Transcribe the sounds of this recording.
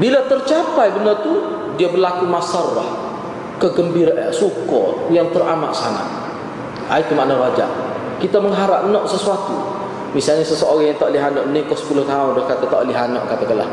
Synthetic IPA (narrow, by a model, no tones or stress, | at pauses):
bilat̪ərt͡ʃapajbənərt̪u | diabərlakumasarlah | kəɡəmbiɾaʔsukɔjaŋt̪ərama̰ʔsana̰ | ait̪umaʔnawad͡ʒa̰ʔ | kit̪aməŋɦaɾaʔ̚nɔʔsəsuat̪u | misalɲasəsəoɾaŋjaŋt̪aʔliɦanɔʔnikɔsə̥pulʊht̪aʊndɔhkat̪at̪aʔliɦanɔ̰ʔkat̪akəla̰h